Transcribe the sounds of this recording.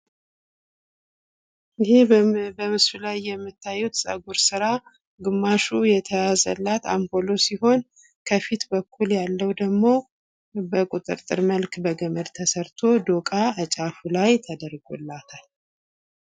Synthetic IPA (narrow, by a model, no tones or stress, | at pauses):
ʔɪɦebəmɨsulajːɛmːɨt̪ʰːajːut̪sʼə̰ɡuɾsɨɾa | ɡɨmːaʃujɛt̪ʰəjazə̰lːat̪ambo̞lo̞siho̞n | kʰəfit̪bəkʰːuljalːəwd̪əɡmo̞ | bəkʼut̪ʼɨ̰ɾt̪ʼɨɾməlkbəɡəməd̪t̪ʰəsəɾt̪ʰo̞d̪okʼaət͡ʃʼafulajt̪ʰəd̪əɾɡṵlːat̪ʰal